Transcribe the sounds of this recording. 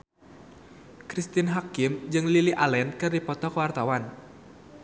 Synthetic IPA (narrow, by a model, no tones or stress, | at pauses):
kɾist̪inɦakimd͡ʒɨŋliliʔalɛnkɨrdipɔt̪ɔkəwart̪awan